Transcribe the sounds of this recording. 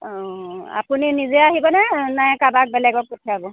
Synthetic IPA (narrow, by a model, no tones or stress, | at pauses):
a̰puninizɛaɦibɔnɛnajkabak̚bɛlɛɡɔk̚potʰiabɔ